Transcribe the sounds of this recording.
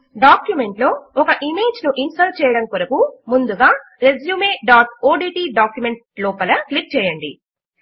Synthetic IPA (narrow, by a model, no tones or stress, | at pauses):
ɖaːkjume̞ɳʈlo̞ːɔkɐʔime̞ːd͡ʒnuʔinsʈɐɾt͡ʃɛːjɐɽɐmkoɾɐkumund̪uɡaː | ɾe̞d͡ʒjuːmeːɖaːʈoːɖiːʈiːɖaːkjume̞ɳʈ | lɔːpɐlɐklik̚t͡ʃɛːjɐɳɖḭ